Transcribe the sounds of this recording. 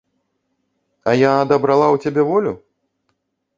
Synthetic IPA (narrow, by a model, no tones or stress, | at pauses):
ɐjaːd̪ɐbɾalˠawt͡sʲabʲɛvɔlʲu